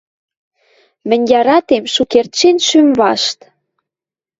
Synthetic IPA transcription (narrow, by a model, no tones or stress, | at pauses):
mɘ̆nʲjɑɾɑt̪emʃukert̪ʃenʃymβɑʃt̪